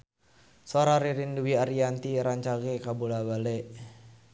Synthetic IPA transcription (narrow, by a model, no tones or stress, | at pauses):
soɾaɾiɾinduwiaɾiant̪iɾaɲt͡ʃaɡɛkabulabalɛʔ